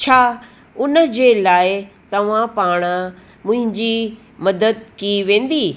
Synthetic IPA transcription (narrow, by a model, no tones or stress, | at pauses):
t͡ɕʰaː | ʊnəd͡ʑeːlaːɪt̪ɐʋ̤ãpaːɽ̃ə | mʊ̃ɦɪ̃ɲd͡ʑi | mɐd̪əd̪̚kiʋẽːn̆d̪iː